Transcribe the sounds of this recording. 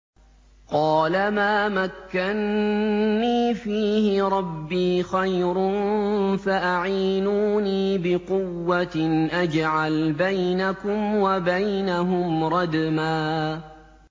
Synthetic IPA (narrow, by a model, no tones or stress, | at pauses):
qɑːlamaːmakːanː | iːfiːhɪɾˤɑbːiːxajɾnfaʔaʕiːnuːniːbɪqʊwːaʔad͡ʒʕalbajnakʊmwabajnaɦʊmɾˤɑd̪maː